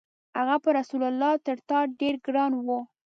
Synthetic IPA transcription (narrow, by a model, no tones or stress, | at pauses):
haɣapəɾasulalːɑt̪əɾt̪ɑɖeɾɡɾɑnwo